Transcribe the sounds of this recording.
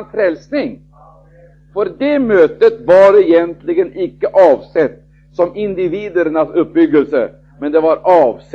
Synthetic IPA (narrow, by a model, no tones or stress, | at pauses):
nfɾɛlsnɪŋ | fœɾd̪ɛmøːt̪ət̪vaɖɛɪjɛnt̪lɪɡənɪkːəʔɑːvsɛt̪ː | sɔmɪnd̪ɪviːd̪əɾəɳasɵp̚ːbʏɡːəlsə̰ | mɛnd̪ɛvaɾɑːvs